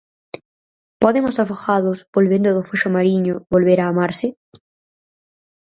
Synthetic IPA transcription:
pɔðeŋʊsafoxaðʊsbolβend̪ʊðʊfuʃʊmaɾiɲʊβolβeɾaːmaɾsɪ

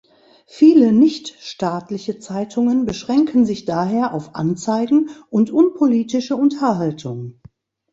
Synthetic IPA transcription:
fiːlənɪçtʃtaːtlɪçət͡saɪtʰʊŋənbəʃʁ̥ɛŋkn̩zɪçd̥aːɦeːɐʔaʊfʔa̰nt͡saɪɡŋ̩ʔʊntʔʊnpʰoliːtɪʃəʊntʰɐɦaltʰʊŋ

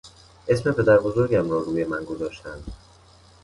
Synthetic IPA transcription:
ʔe̞sme̞pʰe̞d̪æɾbo̞zo̞ɾɟæmɾɒːɾuːje̞mænɡo̞zɒːʃt̪ænd̪̥

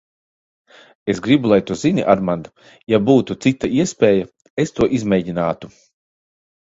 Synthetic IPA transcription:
esɡɾibulˠajt̪uzinʲḭʔaɾmand̪ | jabuːt̪ut̪sit̪ːaiɛspʲɛːja | est̪uɔʔizmʲɛjɟinaːt̪u

